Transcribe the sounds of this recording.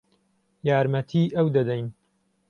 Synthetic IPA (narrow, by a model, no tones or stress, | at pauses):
jaːɾmɐt̪ʰiːʔɐwd̪ɐd̪ɐjn